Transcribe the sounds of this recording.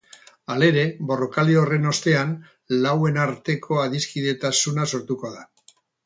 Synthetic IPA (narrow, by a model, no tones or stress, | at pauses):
ale̞ɾe̞bo̞ro̞kaliore̞no̞st̪e̞an | lawe̞naɾt̪e̞kʰo̞aðiskiðe̞t̪asunaso̞ɾt̪uko̞ða